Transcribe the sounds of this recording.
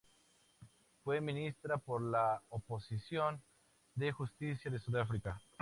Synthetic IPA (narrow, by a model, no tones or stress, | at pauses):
fwemĩnist̪ɾapoɾlaoposisjo̞n | d̪exust̪isjaðesuðafɾika